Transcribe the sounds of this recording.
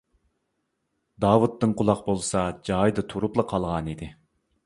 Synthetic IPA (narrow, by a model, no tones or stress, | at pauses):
d̪ɑːwut̪ːɨŋqʊlˠɑq̚bolˠsɑd͡ʒɑjd̪ɨt̪ʰuɾuplˠɑqʰɑlˠʁɑnid̪ɪ